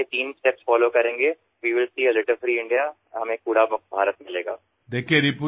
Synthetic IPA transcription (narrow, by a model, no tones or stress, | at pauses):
et̪iːnsʈɛpsfɔːloːkɐɾẽːŋɡe | ʋiːʋɪlsiːəlɪʈəfɾiːɪ̃ɳɖija | ɦɐmẽkuːɽabʊk̪bʱaːɾət̪mɪleːɡa̰ː | d̪eːkʰieɾipu